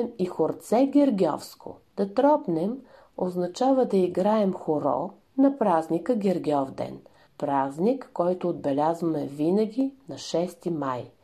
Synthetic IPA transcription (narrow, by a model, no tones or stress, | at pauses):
ɛmixoɾt̪sɛɡʲɛɾɡʲɔ̰fskʰʊ̰d̪̥ɐt̪ɾɔpnɛm | oznɐt͡ʃavɐd̪ɐiɡɾaɛmxoɾɔ̰ | nɐpɾaznikəɡʲɛɾɡʲɔvd̪ɛ̰n | pɾaznikːɔjt̪oːd̪̚bɛlʲazvəmɛvinəɡʲinɐʃɛst̪imaj